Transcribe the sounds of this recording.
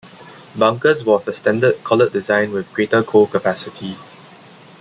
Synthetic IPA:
bãŋkəswɔsəstɛ̃ndəd̚kʰɔlət̚dizãɪ̃nwɪθɡɹetəkʰokəpæsɪtʰi

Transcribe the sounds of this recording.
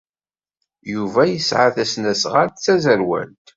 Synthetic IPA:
juvæjəsʕaθæsnæsʁaɾt͡sːæzəɾwæ̰lt̪

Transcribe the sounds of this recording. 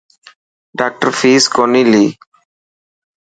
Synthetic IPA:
ɖaːk̚ʈəɾfiːskonili

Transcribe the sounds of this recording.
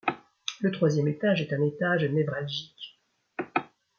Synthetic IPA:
lət̪χwazjɛmet̪aʒɛt̪ɛ̃net̪aʒnɛvʁalʒik

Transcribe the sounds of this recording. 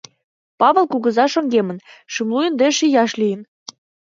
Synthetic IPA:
pɑβə̆lˠkuɣə̆zɑʃɤ̆ŋɡemə̆nʃymlujə̆nd̪eʃijɑʃlijə̆n

